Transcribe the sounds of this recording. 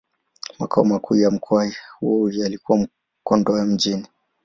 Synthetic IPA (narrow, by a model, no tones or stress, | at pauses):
makʰaɔmakuːjam̩kʰɔaihuɔulialikuwam̩ | kɔndɔɛm̩d͡ʒini